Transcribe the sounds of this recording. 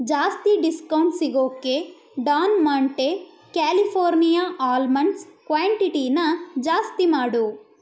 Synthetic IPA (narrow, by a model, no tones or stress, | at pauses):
d͡ʒaːst̪iɖiskɐwɳʈsiɡoːkːe | ɖaːnmaːɳʈe | kaːlipʰoːɾnijaːʔaːlmɐɳʈskʋaːɳʈiʈinɐd͡ʒaːst̪imaːɽu